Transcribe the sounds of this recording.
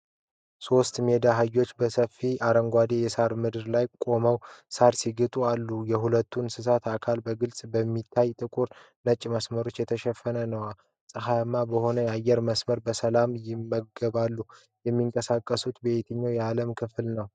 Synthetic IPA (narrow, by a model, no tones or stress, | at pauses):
so̞st̪me̞d̪aɦɨjo̞t͡ʃːbəsəfːiʔaɾəŋɡʷad̪ejɛsaɾmɨd̪ɨɾlajkʼo̞məwsaɾsiɡɨt̪ʼualːujɛɦulət̪ʰːunsɨsat̪akʰalbəɡɨlsʼbəmːit̪ʰːajt̪ʼɨkʼuɾ | nət͡ʃʼməsməɾo̞t͡ʃːjɛt̪ʰəʃɛfːənənəwa | sʼɨɦamːabəho̞nəjajːɛɾməsməɾbəsəlamjɪmːəɡəβalːu | jɛmːiŋkʼəsakʼːəsut̪bet̪ʰɨɲːawjɛaləmkʰɨflnəw